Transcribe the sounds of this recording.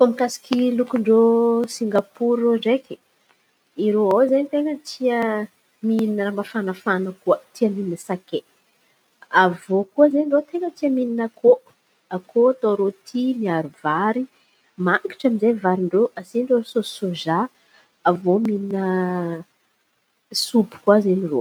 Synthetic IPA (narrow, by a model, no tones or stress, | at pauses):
fomikasi̥kʲilukuɳɖ͡ʐosiŋɡapuɾoɳɖ͡ʐeki̥ | iɾoawzanit̪eŋət̪ʰiə | mininəɾambafanafanəkuət̪iamininəsake | avokuəzeɳɖ͡ʐot̪eŋɡət̪iamininako | akot̪oɾot̪ʰimiaɾuvaɾi | maŋki̥ʈ͡ʂaminzevaɾiɳɖ͡ʐoʔasiɳɖ͡ʐososoʒa | avomininə | supu̥kuazeniro̰